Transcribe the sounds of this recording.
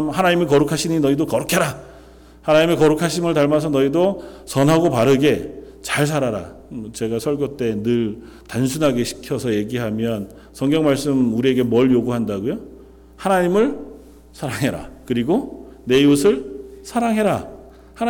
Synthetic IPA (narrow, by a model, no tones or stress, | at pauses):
mhanaɲimekʌɾukʰaɕʰiɲinʌidokʌɾukʰeɾa | hanaɲimekʌɾukʰaɕʰimɯɭtaɭmas̬ʰʌnʌidosʌnɦaɡopaɾɯɡe̞ | t͡ɕaɭs̬ʰaɾaɾa̰t͡ɕe̞ɡasʰʌɭɡjot͈e̞nɯɭ | tansʰunɦaɡe̞ɕʰi̥kʰjʌsʰʌje̞ɡiɦamjʌn | sʰʌŋɡjʌŋmaɭs͈ɯmuɾie̞ɡe̞mʌɭjoɡuɦandaɡojo | hanaɲimɯɭ | sʰaɾaŋɦe̞ɾa̰kɯɾiɡone̞osʰɯɭsʰaɾaŋɦe̞ɾa | ha